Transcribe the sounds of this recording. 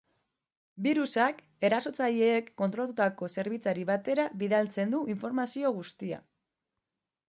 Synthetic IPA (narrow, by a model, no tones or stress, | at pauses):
biɾusak | e̞ɾaso̞t͡saʎeːkːo̞nt̪ɾo̞lat̪ut̪ako̞se̞ɾβit͡saɾiβat̪e̞ɾaβiðalt͡se̞nd̪uiɱfo̞ɾmasio̞ɣust̪ia̰